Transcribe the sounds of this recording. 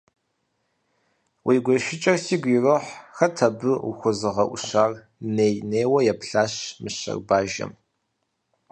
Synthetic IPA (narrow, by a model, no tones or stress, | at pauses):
wʔiːɡʷɔʃɪt͡ʃʼɐrsiːɡʷirɨħxɐtʰɐbɨṵxʷʊzɨʁɐʔʷʊ̰ɕaːr | neːjneːwɐjɛpɬaːɕmɨɕɐ̰rbaːʒɐ̰m